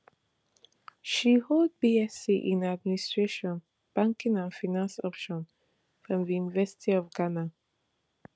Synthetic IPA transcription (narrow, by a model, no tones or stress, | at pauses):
ʃihold̚biɛsiʔĩnad̚ministɹ̥eʃɔ̃n | b̥ãŋkĩŋãnfanãnsɔpʃɔ̃n | fɹɔ̃mðijunivɛsi̥tʰiɔvɡana